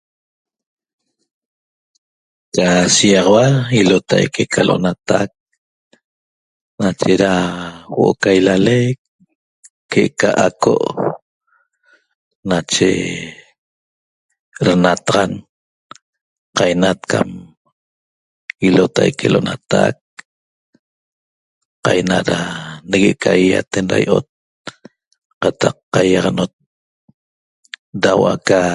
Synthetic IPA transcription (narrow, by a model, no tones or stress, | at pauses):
t͡ʃasijɑʁɑwailot̪ʰa̰jkekʰaloʔonat̪ak̚ | nat͡ʃeɾawo̰ʔokajlalekː | eʔkaʔakʰo̰ʔ | nat͡ʃḛ | ɾanat̪aʁɑn | qɑjnat̪kʰam | ilot̪ajkelʔoʔnat̪ak̚ | qɑjnaɾaneɣeʔkʰaijat̪enɾa̰jʔot̪̚ | qɑt̪ɑqːajɑʁɑnot̪̚ | dawʔaka